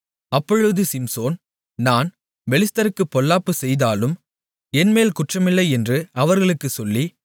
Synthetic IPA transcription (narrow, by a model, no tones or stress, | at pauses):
ɐpːɔɻɯðɯsɪmsoːn | naːn | ʋɛlɪst̪ɐɾɯkːɯpːɔlːaːpːɯsɛjðaːlɯm | ɛnmeːlkʊʈrɐmɪlːɐɪɛndrɯɐʋɐɾɣɐɭɯkːɯsɔlːi